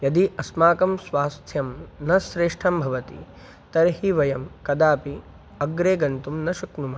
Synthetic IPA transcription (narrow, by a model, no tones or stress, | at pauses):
jɐd̪iʔɐsmaːkɐmsʋaːst̪ʰjɐmnɐsɾeːʂʈʰɐmbʱɐʋɐt̪ḭ | t̪ɐɾɦiʋɐjɐmkɐd̪aːpi | ɐɡɾeːɡɐnt̪umnɐʃɐknumɐ